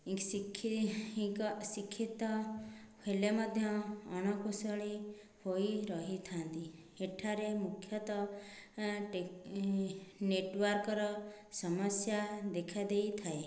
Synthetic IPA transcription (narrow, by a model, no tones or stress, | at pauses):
sikʰːiĩɔsikʰːit̪ɔ | kʰelemɔd̪ʱjɔːñɔkusɔɭi | hoiɾɔɦit̪ʰant̪i | eʈʰaɾemukʰːjɔt̪ɔ | ʈe | neʈwɔɾkɔɾɔ | sɔmɔsjad̪ekʰad̪ejt̪ʰae